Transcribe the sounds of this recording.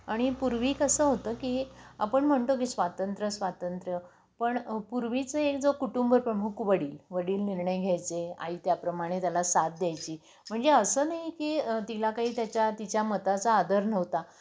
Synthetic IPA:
aɽ̃ipuɾʋiːkəsəːɦot̪əːkia̰pəɳm̤əɳt̪ok̬isʋat̪ənt̪ɾəsʋat̪ənt̪ɾə | pəɳpuɾʋit͡səek̚d͡zokuʈumbəɾpɾəmukʋəɽiːlʋəɽiːlniɾɳəjɡʱjajt͡sea̰iːt̪japɾəmaɽ̃et̪jalasat̪̚d̪jajt͡ɕiː | m̤əɳd͡zeəsəːnaɦikiːt̪ilakaɦiːt̪jat͡ɕjat̪it͡ɕjamət̪at͡saːd̪ʱəɾnəʋt̪a

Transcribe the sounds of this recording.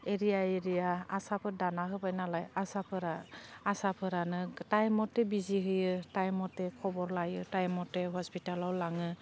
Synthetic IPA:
eɾijaeɾijaasapʰɯdanaɦɯbajnalajasapʰɯɾaːsapʰɯɾanɯtajmɔtːɛbiziɦɯjɯtajmɔtːɛkʰɔbɔɾlajɯtajmɔtɛɦɔspitalawlaŋɯ

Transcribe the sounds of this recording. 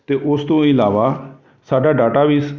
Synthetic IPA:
t̪eːʔʊst̪õːɪlaːʋaː | saːɖaːɖaːʈaːʋis

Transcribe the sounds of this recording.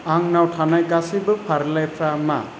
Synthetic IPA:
aŋnawtʰanajkasibɯpʰaɾlajpʰɾama̰

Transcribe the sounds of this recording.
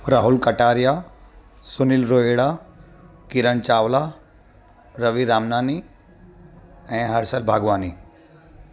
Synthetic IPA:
ɾaːɦulkɐʈaːɾja | sunilɾoːeɽa | kiɾəɳt͡ʃaːʋla | ɾɐʋiɾaːmnaːni | ɛ̃ɦɐɾsəlbʱaːɡʋaːni

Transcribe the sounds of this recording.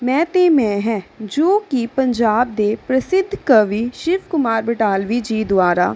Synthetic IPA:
mɛ̃ːt̪eːmɛ̃ːɦɛ̃ːd͡ʒoːkipəɲd͡ʒaːb̚d̪eːpɾəsɪd̪ʱːkəʋiːʃɪʋkʊmaːɾbəʈaːlʋiːd͡ʒiːd̪ʊaːɾa̰ː

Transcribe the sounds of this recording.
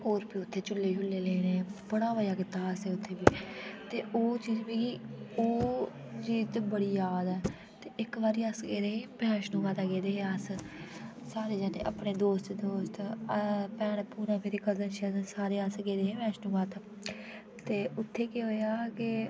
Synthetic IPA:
oːɾpiːʊt̪ʰːeːt͡ʃʊlːeːɦʊlːeːleːnẽːbəɽ̃aːʋəjaːkɪt̪ːaːəseːʊt̪ʰːeːbiːt̪eːoːt͡ʃiːd͡ʒbĩːkioː | d͡ʒiːzt̪ːbəɽiːjaːd̪ɛː | t̪eːʔɪkʋaːɾiːəsɡeːd̪eːɦẽːbɛːʃnũːʋaːt̪aːɡeːd̪eːɦeəs | saːɾeːd͡ʒɛːnḛːʔə̰pɳeːd̪oːst̪d̪oːst̪ | pɛːɽ̃puːɾãːpʰɪɾiːkəzənt͡ʃːəsaːɾeːəsɡeːd̪eːɦẽːbɛ̃ːʃnũːʋaːt̪ː | t̪eːʊt̪ʰːeːkeɦoːjaːkɪ

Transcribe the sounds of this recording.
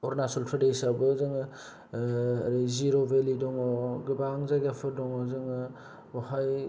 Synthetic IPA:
ɔɾnasɔlpʰadesabɯzɯŋ | ɾiziɾobelidɔŋɔɡibaŋzaɡapʰɯɾdɔŋɔzɯŋɯ | bɔhaj

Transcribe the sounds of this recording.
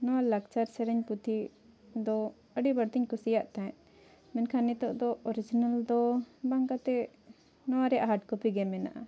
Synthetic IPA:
nɔwalakt͡ʃaɾsɛɾɛɲput̪ʰi | d̪ɔ | əɖibəɽt̪iɲkɔsijaʔt̪aɛt̪̚ | mɛnkʰanɛt̪ɔʔd̪ɔɔɾid͡ʒinald̪ɔbaŋkat̪ɛ | nɔwaɾɛʔaɦaʈ̚kɔpiɡɛmɛna̰ʔa̰

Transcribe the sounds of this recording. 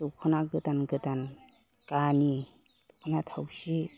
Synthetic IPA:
tɔkʰɯnaɡɯtanɡɯtan | kani | tɔkʰɔnatʰawsi

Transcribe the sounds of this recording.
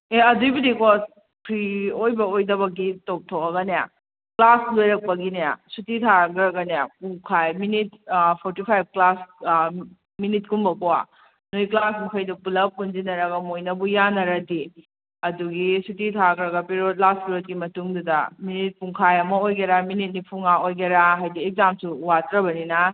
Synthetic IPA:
eɐdujbidiko | pʰɾiojbɐojdɐbɐk̬itop̚tʰowɐɡɐneja̰ | klaslojɾɐk̚pɐɡineja̰sutitʰaɡɾɐɡɐnejapuŋkʰajminit̚pʰoɾtipʰajb̚klas | minit̚kumbɐkowa̰ | noiklasmukʰɐjdupulɐp̚kunzinɐɾɐɡɐmojnɐbujanːɐɾɐdi | ɐduɡisutitʰaɡɾɐɡɐpiɾot̚laspiɾot̚ɡimɐtuŋdudɐ̰minit̚puŋkʰajɐmɐojɡeɾaminit̚nipʰuŋaojɡeɾaɦajdiekzamsuwatɾɐbɐninɐ

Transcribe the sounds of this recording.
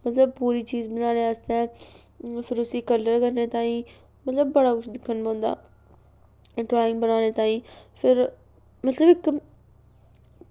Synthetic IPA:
mət̪ləb̚puːɾiːt͡ʃiːzbənaːneːaːst̪eɛ̃ː | pʰɪɾʊsiːkəlːəɾkəɾneːt̪aːĩː | mət̪ləbːəɽaːkʰʊt͡ʃʰd̪ɪkʰːənpɔ̃ːnd̪a̰ː | ʈɾaːɪ̃ŋɡbənaːneːt̪aːĩːpʰɪɾ | mət̪ləbɪk

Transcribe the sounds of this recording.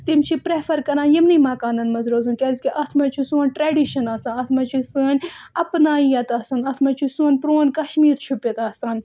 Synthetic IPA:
t̪imt͡ʃʰipɾeːfʰɐɾkɐɾaːnjɐmnimɐːkaːnɐnmɐzɾoːzunkʲezkiʔɐt̪ʰmɐt͡ʃʰusuːnʲʈɾeːɖiːʃɐnaːsãːnɐt̪ʰmɐt͡ʃʰusɨnʲɐpnaːijɐt̪ɐːsɐnɐt̪ʰmɐt͡ʃʰusunʲpɾoːnʲkɐʃmiːɾt͡ʃʰupjɐt̪ɐːsaːn

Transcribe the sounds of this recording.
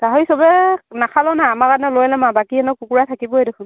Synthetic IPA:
zaɦɔisɔbɛnakʰalɔnaːmakanɛlojlamabakiɛnɔkukuɹatʰakibɔɦedekʰʊn

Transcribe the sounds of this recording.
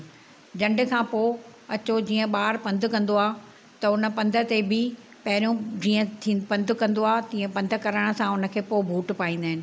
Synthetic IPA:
d͡ʑɐ̃ɳɖkʰãːpoːɐt͡ɕod͡ʑiːə̃ɓaːɾpɐ̃nd̪ʱʊkɐ̃nd̪oaː | t̪ɐʊnə̆pɐ̃nd̪ʱə̆t̪ebɪ | pɐɦɪɾijõd͡ʑiːə̃t̪ʰːpɐ̃nd̪ʱkɐ̃nd̪oaːt̪ĩːə̃pɐ̃nd̪ʱə̆kɐɾəɽ̃̆sãʊnə̆kʰeːpoːbʱuːʈpaːĩːn̆d̪aːɦɪnɪ̆

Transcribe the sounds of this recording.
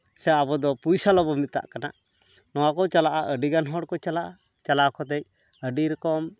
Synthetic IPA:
sɛabɔd̪ɔpujsalɔbɔmit̪̚t̪ːa̰ʔkana̰ | nɔwakɔt͡ʃalaʔaʔəɖiɡanɦɔɽkɔt͡ʃalaʔa | t͡ʃalakɔt̪ɛc̚ | əɖiɾɛkɔm

